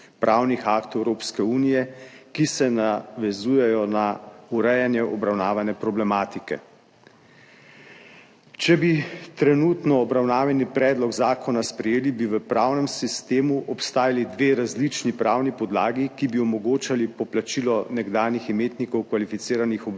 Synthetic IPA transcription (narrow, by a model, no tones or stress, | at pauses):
pɾʔawnixakt̪ɛwɾoːpskɛuːnijɛkisɛnaʋɛzuːjɛjɔnauɾɛjanjɛʔɔbɾawnaːʋanɛpɾɔblɛmaːt̪ikɛ̰ | t͡ʃɛbit̪ɾɛnuːt̪nɔːbɾawnaːʋjɛnipɾɛːd̪lɔɡzaːkʰɔnaspɾɛjeːlibiʋəpɾaːwnɛmsist̪eːmuʔɔpst̪aːjalid̪ʋeːɾazlit͡ʃnipɾaːwnipɔd̪laːɡikibiɔmɔɡoːt͡ʃalipɔplat͡ʃiːlɔnɛɡd̪aːniximeːt̪nikɔwkʋalifit̪siːɾanixɔb